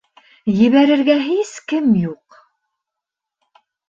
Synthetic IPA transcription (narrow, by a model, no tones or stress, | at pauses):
jɘ̆βæɾɘ̆ɾɡæɦiskɘmjuq